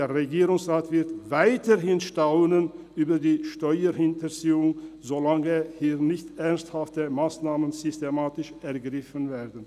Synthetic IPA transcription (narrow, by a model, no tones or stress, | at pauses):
eːɐʁeɡiːʁʊŋsʁaːtv̥ɪʁtvaɪtəɦɪnʃtaʊnənʔyːbɐdiːʃtɔʏəhɪntəziːʊŋzolaŋəhiːʁnɪçtʔɛʁnsthaftəmaːsnaːmənzʏstemaːtɪʃʔɛɐɡʁɪfənveːɐdn̩